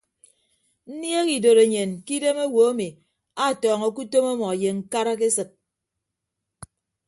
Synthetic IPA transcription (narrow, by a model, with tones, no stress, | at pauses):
n̩˦nje˦ki˨do˨ɾe˨ɲe˨nki˦de˦me˦wo˨˦a˦mi˨ | a˦˨tɔː˨ŋɔ˨ku˦to˦ma˦mɔ˨je˨ŋ̩˦ka˦ɾa˦ke˦sɨ˨t̚